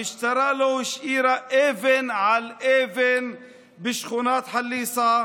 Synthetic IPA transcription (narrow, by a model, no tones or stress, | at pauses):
ɪʃt̪ɑɾˤɑʔlaʃʔiːɾaʔevɪnʕalʔeːvɪn | bɪʃxunaːt̪ħalːiːsˤa